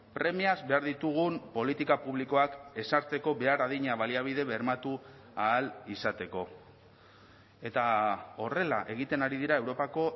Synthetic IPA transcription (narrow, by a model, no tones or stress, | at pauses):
pɾe̞miazbe̞aɾðit̪uɣ̞umpo̞lit̪ikapuβliko̞ake̞saɾt͡se̞ko̞βe̞aɾaðiɲaβaliaβ̞ið̞e̞βe̞ɾmat̪u | aːlisat̪e̞ko̞ | e̞t̪ao̞re̞la̰ʔe̞ɣ̞it̪e̞naɾiðiɾae̞wɾo̞pako̞